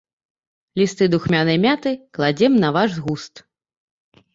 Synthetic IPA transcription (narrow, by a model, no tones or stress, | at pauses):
lʲist̪ɨd̪uxmʲanɐjmʲat̪ɨklˠad͡zʲɛmnɐvaʐzɣust̪